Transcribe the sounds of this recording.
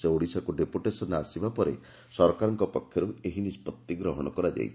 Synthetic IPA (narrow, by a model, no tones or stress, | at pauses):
seoɽisakuɖepuʈesɔnasibapɔɾḛ | sɔɾkaɾɔŋkɔpɔkʰːjɔɾueɦinispɔt̪ːiɡɾɔɦɔɽ̃ɔkɔɾad͡ʒa̰jtʰ